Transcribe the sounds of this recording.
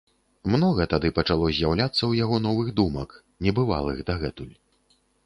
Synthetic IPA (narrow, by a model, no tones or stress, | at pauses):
mnɔɣɐt̪ad̪ɨpɐt͡ʂalˠɔzʲjawlʲat̪sːɐwjaɣɔnɔvɨɣd̪umɐk | nʲɛbɨva̰lˠɨ̰ɣd̪aɣɛt̪ulʲ